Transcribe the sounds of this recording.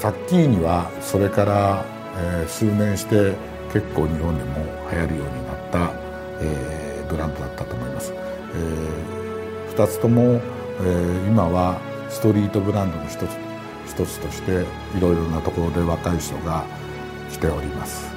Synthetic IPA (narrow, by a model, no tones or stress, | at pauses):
sakʲːiːɲ̟iβa | so̞ɾe̞kaɾa | esɨːnẽ̞ɰ̃ɕi̥t̪e̞ | ke̞kːo̞ːɲ̟iɦõ̞nd̪emo̞ | hajaɾɯ̟jo̞ːɲ̟inat̪ːa | eː | bɯ̟ɾãnd̪o̞d̪at̪ːat̪o̞ːmo̞imasɨ̥ | e | ɸɯ̟̥t̪at͡sɨ̥t̪o̞mo̞ | eimaβa | sɨ̥t̪o̞ɾʲiːt̪o̞bɯ̟ɾãnd̪o̞noçi̥t̪ot͡s | çi̥t̪o̞t͡sɨ̥t̪o̞ɕi̥t̪e̞ | iɾo̞iɾo̞nat̪o̞ko̞ɾo̞d̪e̞βakaiɕi̥t̪o̞ɡa | ki̥t̪e̞o̞ɾʲimasɨ̥